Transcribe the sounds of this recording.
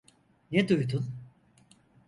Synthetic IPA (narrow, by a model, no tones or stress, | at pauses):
nɛd̪ujd̪un